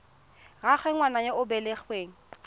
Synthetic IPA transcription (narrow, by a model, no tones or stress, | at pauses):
ɣaχweŋwanajeʊbɛleχweːŋ̩